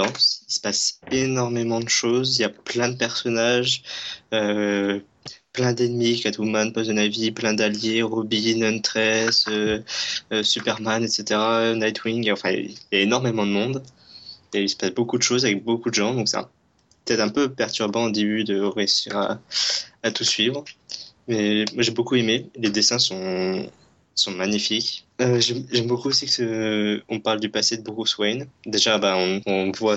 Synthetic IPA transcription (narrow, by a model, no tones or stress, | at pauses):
d̪ɑ̃sisə̥pasenɔʁmemɑ̃d̪əʃoziljaplɛ̃d̪əpɛʁsɔnaʒø | plɛ̃d̪ɛnmikat̪umanpɔzɛnaviplɛ̃d̪aljeʁɔbinɔnt̪χɛsøː | sypɛʁmanɛt̪set̪eʁanajt̪ʰwiŋɡɑ̃fɛ̰̃ljaenɔʁmemɑ̃d̪əmɔ̃d̪ | eilsə̥pasbokud̪əʃozavɛk̚bokud̪əʒɑ̃d̪ɔ̃ksɛɛ̰̃ | pə̥t̪ɛt̪χɛ̃pøpɛʁt̪yʁbɑ̃od̪ebyd̪əʁeysiʁa̰ː | t̪usɥivʁmɛmwaʒebokuemeled̪esɛ̃sɔ̃ | sɔ̃maɲifikøʒɛmʒɛmbokuosikə̥səɔ̃paʁld̪ypased̪əbuʁuswɛjnd̪eʒabaɔ̃ɔ̃vwa